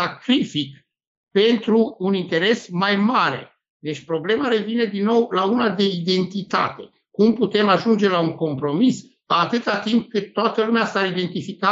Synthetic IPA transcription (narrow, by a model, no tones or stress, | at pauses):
akɾifik | pe̞nt̪ɾuːnint̪e̞ɾe̞smajmaɾe̞̰ | d̪e̞t͡ʃʲpɾo̞ble̞maɾe̞vine̞d̪inːo̞wlaunad̪e̞id̪e̞nt̪it̪a̰t̪e̞ | kumput̪e̞maʒund͡ʒe̞lauŋko̞mpɾo̞mis | at̪ɨt̪at̪imp̚kɨt̪ːoat̪əlumeasaid̪e̞nt̪ifika